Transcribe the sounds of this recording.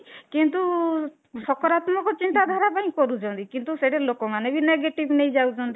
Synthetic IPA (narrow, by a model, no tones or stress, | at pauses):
kint̪u | sɔkɔɾat̪mɔkɔt͡ʃint̪ad̪ʱaɾapaĩkɔɾut͡ʃʰɔnt̪ikint̪useɽelokɔmanebineɡeʈibnejd͡ʒawt͡ʃʰɔnt̪i